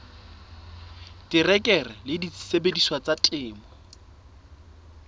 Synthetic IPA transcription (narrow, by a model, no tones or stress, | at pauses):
tʼɪrɛkʼɛrɛlɪdit͡ssebediswat͡sʼatʼɪːmɔ